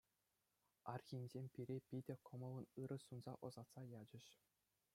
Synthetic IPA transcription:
ɑrxʲinʲzʲemʲpʲiɾʲepʲidʲɘ̆kɤ̆mɤ̆lˠɤ̆nɯɾɤ̆sunzɑ̰ʔɤ̆zɑt̪sɑjɑd͡ʑɘ̆ɕ

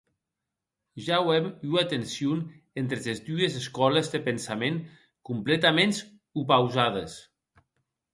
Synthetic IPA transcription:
ʒawɛmuat̪ensiun | ent̪ɾezezd̪uezeskɔləzðəpənsameŋ | kumplet̪amẽns | upawzaðəs

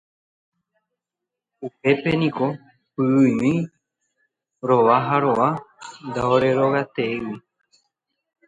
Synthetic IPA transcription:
upe̞pe̞nĩko̞ | pɨːmĩ | ɾo̞ʋaɦaɾo̞ʋand̪aoɾe̞ɾo̞ɣat̪ewi

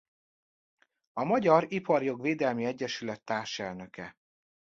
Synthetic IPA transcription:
ɒmɒɟɒɾipɒrjo̞ɡveːd̪ɛlmiɛɟːɛʃylɛt̪ːaːrʃɛlnø̞kɛ̰

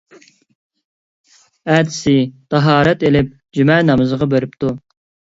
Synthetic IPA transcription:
æd̪ʰsɪt̪ʰɑɦɑːɾɛt̪elɪp̚ | d͡ʒymɛnɑmɨzəʁɑbøɾɪpt̪u

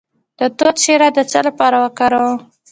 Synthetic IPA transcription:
d̪̥ət̪ot̪ʃeɾad̪ət͡salapɑɾawəkaɾaw

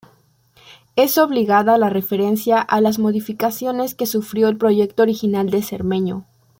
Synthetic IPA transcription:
eso̞βliɣaðalare̞fe̞ɾe̞nsjaʔalazmo̞ðifikasjo̞ne̞ske̞sufɾjo̞elpɾo̞ʝe̞k̚t̪ooɾixinald̪e̞sḛɾmẽ̞ɲo̰

